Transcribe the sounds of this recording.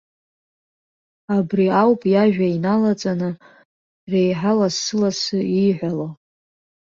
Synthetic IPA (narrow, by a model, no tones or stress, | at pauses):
abriawpʼjaʒᶣainalat͡sʼanɨ | rejħalasɨlasɨiħʷalo